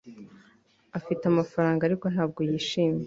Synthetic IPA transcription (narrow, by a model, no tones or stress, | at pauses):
afitamafaɾaːŋɡaɾiko̞n̥haːb̚ɡo̞jiːʃiːme